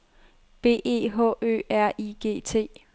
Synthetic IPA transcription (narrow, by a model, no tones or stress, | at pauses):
b̥e̝̰ːe̝̰ːɦɔ̰ːø̰ːæɐ̰iɡ̥e̝̰ːt͡sʰe̝̰ː